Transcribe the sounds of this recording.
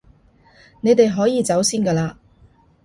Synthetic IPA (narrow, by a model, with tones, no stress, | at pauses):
ne˨˧jt̪e˨jɦɔː˨˥jiː˨˧t͡sɐ˨˥wsiː˥nkɐː˧laː˧